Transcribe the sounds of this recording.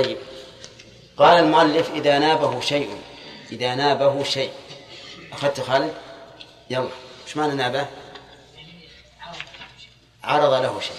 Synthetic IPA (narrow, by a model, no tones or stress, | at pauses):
t̪ˤɑjːɪb | qɑːlalmʊʔalːɪfʔɪðanaːbahʊʃajʔʊʔɪðanaːbaɦʊʃajʔ | ʔaxaðt̪ʊxaːlɪ | jamawɪʃmananaːba | ʕɑɾˤɑðˤɑlahʊʃaː